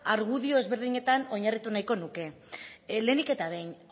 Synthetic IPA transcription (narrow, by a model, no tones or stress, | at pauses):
aɾɣ̞uðio̞e̞zβe̞ɾðiɲe̞t̪ano̞ɲarit̪unajko̞nuke̞ | le̞ːnike̞t̪aβe̞jn